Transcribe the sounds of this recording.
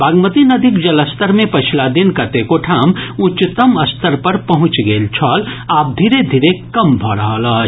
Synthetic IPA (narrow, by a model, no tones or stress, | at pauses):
bʱaːɡmət̪inɐd̪ʱikd͡ʒɐləst̪əɾmẽpət͡ʃʰilad̪inkət̪ekoʈʰaːmʊt͡ʃt̪əmɐst̪əɾpəɾpɐɦʊ̃t͡ʃɡeːlt͡ʃʰɔːlaːp̚d̪ʱiɾed̪ʱiːɾekɐmbʱɔɾəɦələ